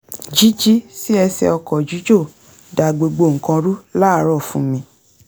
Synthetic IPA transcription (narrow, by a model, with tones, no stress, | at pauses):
d͡ʒi˦d͡ʒi˦si˦ɛ˧sɛ̰˧ɔ˧kɔ˨d͡ʒu˨˦d͡ʒo˦˨ | da˨ɡ͡bo˨ɡ͡bo˧˨ŋ̩˨kã˧ɾu˦la˦˨˧ɾɔ˦˨fũ˦mĩ˧˦